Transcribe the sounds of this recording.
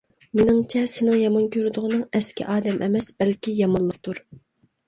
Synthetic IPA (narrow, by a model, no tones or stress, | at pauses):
menɪŋt͡ʃʰɛsɪnɪŋjɑmɑnkʲʰøɾd̪ʊʁɨnɨŋɛskʲḭʔɑːd̪ɛmʔɛmɛsb̥ɛlkʲijɑmɑnlːˠəq̚t̪ʰuɾ